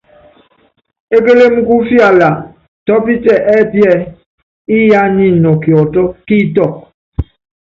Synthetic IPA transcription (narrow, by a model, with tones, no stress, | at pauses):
e˦ke˦le˦mu˦ku˦fja˨la˨ | tɔ˦pi˦tɛ˨ʔɛ˦˨pjɛ˦˨ | i˦ja˦ni˦˨nɔ˨kjɔ˨tɔ˦ki˦tɔ˦˨k̚